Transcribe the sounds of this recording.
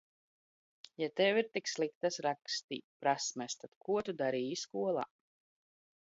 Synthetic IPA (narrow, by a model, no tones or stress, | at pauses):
jat̪ɛwiɾt̪ikslˠikt̪asɾakst̪ḭːpɾasmɛst̪ad̪̥kuɔt̪ud̪aɾiːjiskuɔlˠa̰ː